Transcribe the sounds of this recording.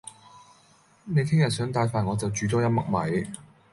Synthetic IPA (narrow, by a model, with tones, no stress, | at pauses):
ne˨˧jkʰɪ˥ŋjɐ˨t̚sœː˨˥ŋt̪aː˧jfaː˨nŋɔː˨˧t͡sɐ˨wt͡ʃyː˨˧t̪ɔː˥jɐ˥t̚mɐ˥k̚mɐ˨˥j